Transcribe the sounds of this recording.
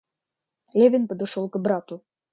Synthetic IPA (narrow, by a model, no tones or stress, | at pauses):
lʲevʲenpə̆d̪ɤ̆ʃolˠkɤ̆bɾɑt̪u